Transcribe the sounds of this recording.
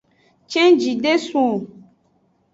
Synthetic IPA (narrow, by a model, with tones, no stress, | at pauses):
t͡ʃɛ̃˦d͡ʒi˨ɖe˦sũ˦o˨